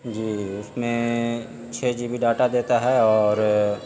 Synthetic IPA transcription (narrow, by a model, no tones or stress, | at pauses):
d͡ʒiːʊsmẽ | t͡ʃʰeːd͡ʒibʱiɖaːʈad̪eːt̪aɦɛɔːɾ